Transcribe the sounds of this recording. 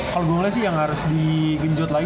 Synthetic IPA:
kaloɡuaŋlas̬ɪjaŋhaɾʊsdiɡəɲd͡ʒɔt̪laɪ

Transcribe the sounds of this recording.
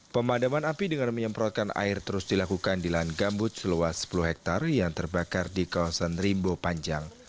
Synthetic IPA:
pəmadamanapidəŋanməɲəmpɾɔt̪̚kana̰ɪrt̪əɾʊsdilakukandilanɡambʊt̪̚səluasːə̥puluhɦɛk̚t̪arjaŋt̪ərbakardikawasanrimbopaɲd͡ʒaŋ

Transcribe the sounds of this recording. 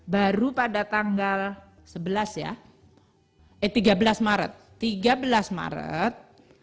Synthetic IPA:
baɾupadat̪aŋɡal | səbəlasja̰ | ʔɛt̪iɡabəlasmaɾə̰t̪ːiɡabəlasma̰ɾə̰t̪̚

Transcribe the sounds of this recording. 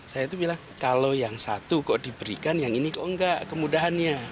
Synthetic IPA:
sajait̪ubilaŋ | kalojaŋsa̰t̪ukoʔdibəɾḭkanjaŋinikoʔŋɡaʔkəmudaɦanɲa

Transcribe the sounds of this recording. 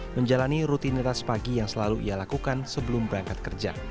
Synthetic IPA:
məɲd͡ʒalaniɾut̪init̪aspaɡijaŋsəlaluḭjalakukansəbəlʊmbəɾaŋkat̪̚kərd͡ʒa̰

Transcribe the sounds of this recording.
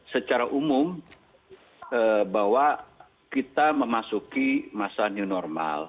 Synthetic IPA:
sət͡ʃaɾaʔumʊm | əbaɦwa | kit̪aməmasukimasaniunɔrma̰l

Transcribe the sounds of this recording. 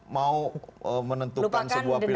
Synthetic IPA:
mauəmənənt̪ulukansənbuahdəi

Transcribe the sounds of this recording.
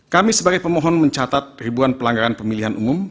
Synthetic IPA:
kamisəbaɡajpəmɔɦɔnməɲt͡ʃat̪at̪̚ribuanpəlaŋɡaɾanpəmiliɦanʔumʊm

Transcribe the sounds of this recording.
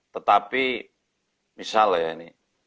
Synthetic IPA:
t̪ət̪api | misaljaini

